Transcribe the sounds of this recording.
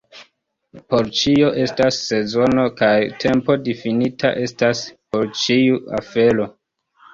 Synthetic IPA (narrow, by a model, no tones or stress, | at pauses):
po̞ɾt͡ʃio̞ʔe̞stasːe̞zo̞no̞kajtʰe̞mpo̞difinitʰa̰ʔe̞staspo̞ɾt͡ʃiua̰fe̞lo̞